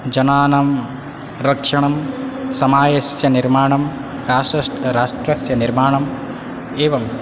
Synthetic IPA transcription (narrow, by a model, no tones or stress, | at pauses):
d͡ʒɐnaːnɐm | ɾɐkʂɐɳɐmsɐmaːjɐsjɐniɾmaːɳɐm | ɾaːsɐsʈɾaːʂʈɾɐsjɐniɾmaːɳɐm | eːʋɐm